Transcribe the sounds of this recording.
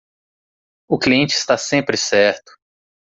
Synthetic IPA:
ʊkliẽnt͡ʃɪːst̪asẽmpɾɪsɛɾt̪ʊ̥

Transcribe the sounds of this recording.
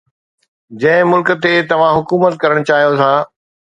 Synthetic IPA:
d͡ʑɐ̃ɦɪ̃mʊlkt̪et̪ɐʋ̤ãɦʊkuːmət̪̚kɐɾəɽ̃t͡ɕaːɦijot̪ʰaː

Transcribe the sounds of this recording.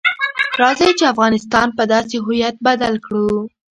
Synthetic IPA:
ɾɑzajt͡ʃeafɣɑnɪst̪ɑnpəd̪ɑs̬eɦʊjat̪̚bad̪alkɽu

